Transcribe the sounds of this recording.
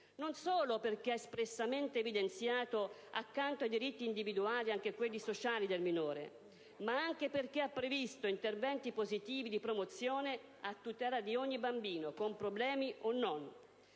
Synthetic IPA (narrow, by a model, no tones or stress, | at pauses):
nonsoːloperk̟eaespɾesːament̪eːvid̪ent̪sjaːt̪oa̰kːant̪oajd̪iɾit̪ːiːnd̪ivid̪uaːliaŋk̟ekwelːisot͡ʃaːlid̪elminoːɾḛ | maaŋk̟eperk̟eapːɾevist̪oint̪ervɛnt̪ipozit̪iːvid̪ipɾomot̪sːjoːne | at̪ːut̪ɛːlad̪ioɲːibambiːnokompɾoblɛːmionːon